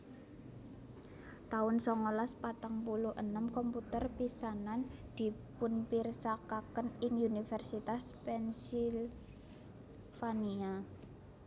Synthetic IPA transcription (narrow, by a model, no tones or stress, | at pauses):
t̪aʊnsɔŋolaspat̪aŋpuluhʔənəmkɔmput̪ərpisanand̪̥i̤pʊnpirsakakənɪŋunifɛrsit̪aspɛnsil | fania